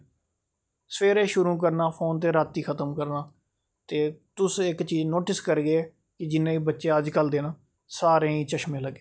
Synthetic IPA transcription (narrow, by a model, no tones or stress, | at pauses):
səpeːɾeːʃʊɾũːk̬əɾnaːpʰoːnt̪eːɾaːt̪ːiːkʰət̪əmkəɾnaː | t̪eːt̪ʊsɪkt͡ʃiːd͡ʒnoːʈɪskəɾɡeːɛː | kɪd͡ʒɪnːẽːiːbətːʃeːəd͡ʒkəld̪eːnãː | saːɾẽːĩːt͡ʃəʃmẽːləɡːeː